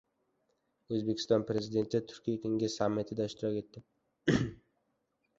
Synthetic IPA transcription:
ɵzbe̞kʰʲɪ̥st̪ɒnpɾe̞zɪd̪e̞nt̪ʰɪt̪ʰʊ̥ɾkʲʰijakʲʰeŋɡʲɪz̥samːɪt̪ʰɪd̪aɪʃt̪ʰɪɾakʲe̞t̪ːɪ

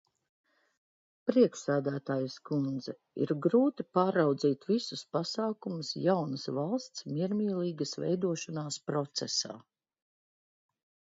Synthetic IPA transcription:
pɾiɛkʃsæːd̪æːt̪aːjuskund̪zɛ | ḭɾɡɾuːt̪ipaːɾawd̪ziːt̪visuspasaːkumʊsjawnɐsvalˠst̪smiɛɾmʲiːliːɡəsvɛ̰jd̪uɔʃanaːspɾɔt̪sɛsa̰ː

